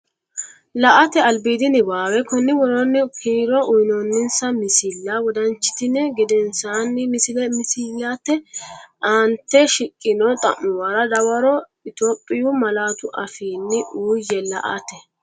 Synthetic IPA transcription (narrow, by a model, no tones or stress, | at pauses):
lɐʔɐt̪ɛɐlbiːd̪ɪnɪbaːwɛkɔnːɪwɔɾɔnːɪkʰiːɾɔʔʊjnɔnːɪnsɐmɪsɪlːawɔd̪ɐnt͡ʃːɪ̥t̪ɪnːɛɡɪd̪ɛnsaːnːɪmɪsɪlɛmɪsɪlːaːt̪ːɛʔaːnt̪ːɛʃɪkʼːɪnɔt̪ʼɐ̰mːʊwaːɾɐd̪ɐwɐɾɔ | ɪt̪oːpʼːɪjʊmɐlaːt̪ʊʔɐfiːnːɪʔuːjːɛlɐ̰ʔɐ̰t̪ɛ